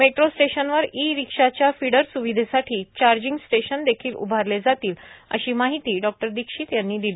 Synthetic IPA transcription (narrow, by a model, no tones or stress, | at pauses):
meʈɾosʈeɕənʋəɾiɾikʂat͡ɕjafiɽəɾsuʋid̪ʱesaʈʰiːt͡ɕaɾd͡ʑiŋɡsʈeɕənd̪ekʰiːlṵbʱaɾled͡zat̪iːlə̰ɕiːmaɦit̪iːɖɔk̚ʈəɾd̪ikʂiːt̪janːiːd̪ili